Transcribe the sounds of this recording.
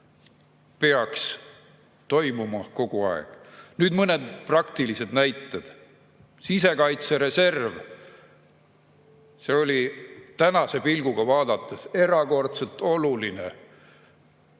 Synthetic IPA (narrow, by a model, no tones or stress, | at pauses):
peɑks | t̪o̞jmumɑko̞ɡ̥uɑ̰ḛɡ̥nyːd̪mɤned̪̥prɑkt̪ilise̞d̪̥næjt̪ːˑed̪̥ | sise̞kɑjt̪seɾe̞se̞rv | se̞o̞lʲit̪ænɑse̞pilɡ̥uɡ̥ɑvɑːd̪̥ɑt̪ːˑese̞ɾɑko̞rt̪selt̪ːˑo̞luline